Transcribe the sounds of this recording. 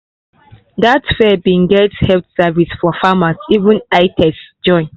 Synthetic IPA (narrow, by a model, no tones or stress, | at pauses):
datfɛbĩŋɡɛthɛlθsavisfɔfamasivũnaɪtʰɛsd͡ʒɔ̃ɪ̃n